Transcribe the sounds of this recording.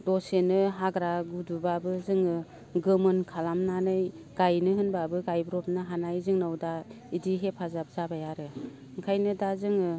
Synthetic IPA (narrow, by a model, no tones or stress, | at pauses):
d̥ɔsenɯɦaɡɾaɡudubabɯzɯŋɯ | ɡɯmɯnkʰalamnanɯj | ɡ̥ajnɯɦɯnbabɯɡajbɾɔp̚nɯɦanajzɯŋnawda | idiɦepʰazap̚zabajaɾɯ | ɯŋkʰajnɯdazɯŋɯ